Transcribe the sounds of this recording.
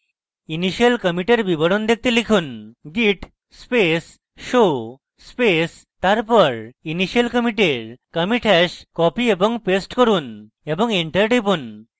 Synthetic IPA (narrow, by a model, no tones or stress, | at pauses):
iniɕiəlkəmiʈeɾbibɔɽond̪ek̚t̪ilikʰuːnɡiʈ | spes | ʃo | spes | t̪aɾpɔɾiniɕiəlkəmiʈeɾkəmiʈʰɛskɔpiebɔŋpesʈkɔɾun | ebɔŋeɳʈəɾʈipun